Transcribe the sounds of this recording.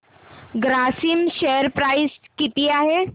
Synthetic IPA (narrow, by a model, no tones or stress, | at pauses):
ɡɾaːsimʃɛəɾpɾaːɪskɪt̪ijaɦɛ